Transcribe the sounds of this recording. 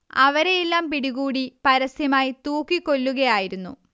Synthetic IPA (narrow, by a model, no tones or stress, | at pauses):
ɐ̰ʋɐɾe̞jilːaːmpiɽiɣuːɽipɐɾɐsjɐmaːjit̪uːkːikːo̞lːuɣɐjaːjiɾunːṵ